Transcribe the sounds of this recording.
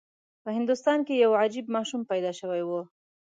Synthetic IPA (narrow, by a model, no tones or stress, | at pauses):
pəɦɪnd̪ʊst̪ɑnkejawad͡ʒibmɑʃumpajd̪ɑʃəwajwo